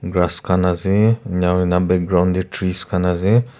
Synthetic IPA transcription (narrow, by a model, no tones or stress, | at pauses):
ɡɾaskanaziɲawinabɛk̚ɡɾawnditʰɾiskanazi